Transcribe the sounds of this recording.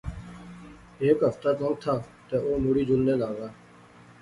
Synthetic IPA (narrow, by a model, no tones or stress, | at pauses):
eːkɦəft̪aːt̪ə̃ːɡ̚t̪ʰaː | t̪eːoːmʊɽiːd͡ʒʊlnẽːlaːɡaː